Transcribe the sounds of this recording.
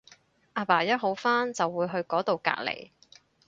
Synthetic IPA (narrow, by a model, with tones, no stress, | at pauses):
ʔaː˧paː˨˩jɐ˥t̚ɦo˨˥wfaː˥nt͡sɐ˨wːuː˨˧jɦɵ˧ɥkɔː˨˥t̪o˨wka̰ː˧k̚lḛ˨˩j